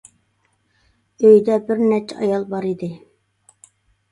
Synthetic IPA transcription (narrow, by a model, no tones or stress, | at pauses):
øjd̪ɛbɪɾnɛt͡ʃʰɛɑjɑlˠbɑɾid̪ɪ